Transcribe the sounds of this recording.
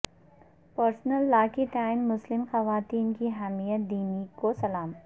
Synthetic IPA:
pɐɾsnəlːaːkit̪aːɪnmʊslɪmxɐʋaːt̪iːnkiɦɐmijət̪̚d̪iːnikosɐlaːm

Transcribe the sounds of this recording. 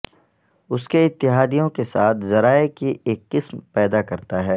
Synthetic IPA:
ʊskeɪt̪ːɪɦaːd̪ijõkesaːt̪ʰzɐɾaːekiʔeːkːɪsmpɛːd̪akɐɾt̪aɦɛː

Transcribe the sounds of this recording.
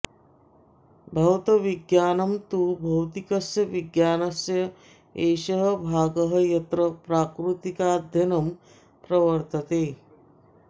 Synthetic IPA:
bʱɐwt̪ɐʋiɡjaːnɐmt̪uːbʱɐwt̪ikɐsjɐʋiɡjaːnɐsjɐ | eːʃɐɦɐbʱaːɡɐɦɐjɐt̪ɾɐpɾaːkɾut̪ikaːd̪ʱjɐnɐm | pɾɐʋɐɾt̪ɐt̪eː

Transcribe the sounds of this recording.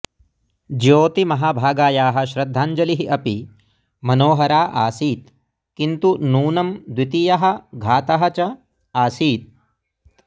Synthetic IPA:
d͡ʒjoːt̪imɐɦaːbʱaːɡaːjaːɦɐ̆ʃɾɐd̪ʱːaːɲd͡ʒɐliɦiʔɐpi | mɐnoːɦɐɾaːʔaːsiːt̪ | kint̪unuːnɐmd̪wit̪ijɐɦɐ̆ɡʱaːt̪ɐɦɐt͡ʃɐ | aːsiːt̪̚

